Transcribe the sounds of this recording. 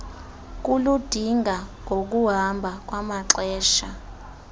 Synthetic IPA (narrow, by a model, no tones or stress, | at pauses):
k̬ulud̥ʱiŋʱaŋʱok̬uɦambʱak̬ʼwamaǀɛːʃa